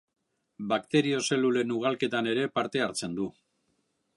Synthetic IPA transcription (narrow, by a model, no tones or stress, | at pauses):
bakt̪e̞ɾio̞se̞lule̞nuɣ̞alke̞t̪ane̞ɾe̞paɾt̪e̞aɾt͡se̞nd̪u